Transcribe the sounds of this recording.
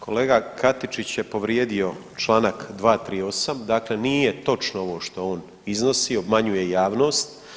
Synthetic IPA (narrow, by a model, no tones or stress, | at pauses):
kʰo̞lˠeːɡakʰat̪it͡ʃit͡ɕjepo̞ʋɾjeːd̪io̞t͡ʃlˠaːnakd̪ʋaːt̪ɾiːo̞samd̪aːkle̞nije̞t̪o̞t͡ʃnoo̞ʋo̞ːʃt̪o̞oːn | izno̞sio̞bmaɲuje̞jaːʋno̞ːst̪